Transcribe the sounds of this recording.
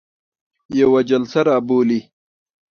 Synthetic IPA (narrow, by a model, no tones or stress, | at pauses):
jɐwad͡ʒɐlsɐɾaːboːli